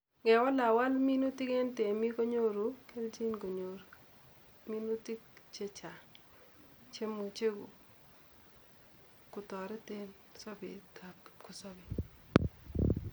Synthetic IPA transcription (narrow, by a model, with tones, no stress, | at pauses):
ɡɛ˨wɔ˦la˨wa˦lmi˦no˦ti˦ke˦nte˨mi˦ko˦ɲo˦ɾu˨ke˦ld͡ʒi˦nko˨ɲo˨ɾ | mi˦nu˦ti˦kt͡ʃe˦t͡ʃa˨ | t͡ʃe˦mo˨t͡ʃe˦ɡo˨ | kʊ˨tɔ˨ɾɛ˦te˦n | sɔ˦bɪ̰˨ta˨pkʊ˨sɔ˦bi˨